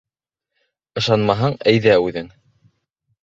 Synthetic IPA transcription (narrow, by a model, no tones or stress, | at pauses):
ɤ̆ʃɑnmɑɦɑɴæjðæʉðɘŋ